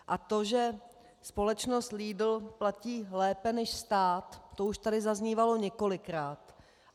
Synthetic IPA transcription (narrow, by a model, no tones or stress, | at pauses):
ʔat̪o̞ʒɛ | spo̞lɛt͡ʃnost̪liːdl̩placiːlɛːpɛnɛʃst̪aːt̪ːo̞uʃt̪adɪzazɲiːvalo̞ɲɛko̞lɪkɾaːt̪